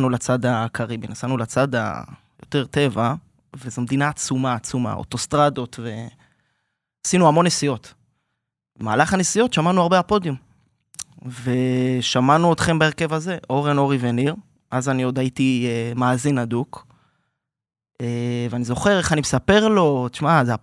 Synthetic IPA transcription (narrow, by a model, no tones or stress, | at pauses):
anulat͡sad̪akʰaʁibinasanulat͡sad̪a̰ | jo̞t̪e̞ʁt̪e̞va | vezomed̪inaːt͡sumaːt͡suma̰o̰t̪o̞st̪ʁad̪o̞t̪ve̞ | asinuamo̞nːesijo̞t | maːlaχanesijo̞tʃamanuaʁbeapo̞djum | ve̞ʃamanuot̪χe̞mbae̞ʁke̞vaze̞ʔo̞ʁeno̞ʁive̞niʁ | ʔazanio̞d̪ajitiemaːzinad̪uk | eveanizo̞χe̞ʁe̞χanimesape̞ʁlo̞t̪i̥ʃmazea